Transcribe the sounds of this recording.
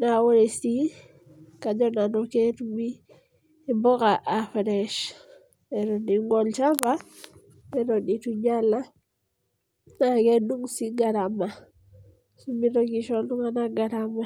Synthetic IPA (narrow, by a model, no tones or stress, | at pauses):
nawoɾesi | kaɲɔnanɔketumiː | mbɔkaʔafɾɛʃ | eɾɔniŋɡɔlt͡ʃaba | eɾɔnituɲala | nakeduŋsiɡaɾama | sumiɾɔɡiʃɔluŋanaɡaɾama